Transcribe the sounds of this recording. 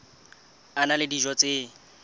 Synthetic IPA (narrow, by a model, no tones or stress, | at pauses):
analɪdiʒɔt͡sʼe